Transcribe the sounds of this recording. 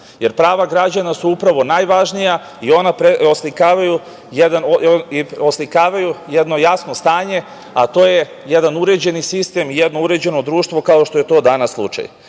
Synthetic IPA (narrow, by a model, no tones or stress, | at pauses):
je̞ɾpɾaːʋaɡɾad͡ʑanasuupɾaʋo̞najʋaʒnija | io̞napɾeoslikaːʋaju | jed̪anoioslikaːʋajujed̪no̞jasno̞st̪aːɲe̞ | at̪o̞ːje | jed̪anuɾe̞d͡ʑe̞nisist̪e̞mijed̪no̞uɾe̞d͡ʑe̞no̞d̪ɾuːʃt̪ʋo̞kao̞ʃt̪o̞je̞t̪o̞d̪anasːlˠṵt͡ʃa̰j